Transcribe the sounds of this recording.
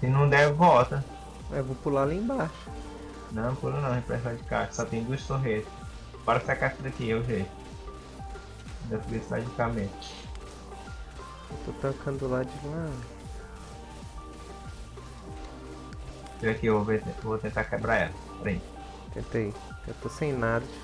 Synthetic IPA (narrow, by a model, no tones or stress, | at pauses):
sĩnɐ̃w̃d̪ɛvɪvɔt̪ɐ | ɛvopulalẽbaʃʊ̥ | nɐ̃w̃pulɐnɐ̃w̃hẽpɾɛsad͡ʒɪka̰ʃɐ̥sɔt̪ẽj̃d̪uɐssoɦesɪ̥ | paɾɐsakaʃt̪ɾet̪ĩɲɐowʒetʊ | d̪ɐfiɡest̪a̰d͡ʒikametʊ | ewt̪ot̪ɐ̃kʰɐ̃nd̪ʊlad͡ʒima | ɐkiewvovet̪ẽewvot̪ẽnt̪akɛbɾaɛ̰lɐpɾẽĩt͡ʃ | t̪ẽnt̪ej | et̪osẽj̃nad̪ɐ